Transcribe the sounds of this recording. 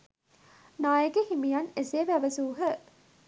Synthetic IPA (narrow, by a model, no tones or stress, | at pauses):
naːjəɡehimijɐneseːʋæʋəzuːɦə